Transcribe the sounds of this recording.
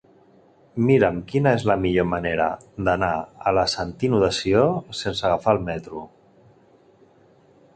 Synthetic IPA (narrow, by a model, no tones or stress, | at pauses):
miɾəmkinəezləmiʎomaneɾə̰ | d̪ənaələsant̪inuðəsiosensəɣafaəlˠmɛt̪ɾu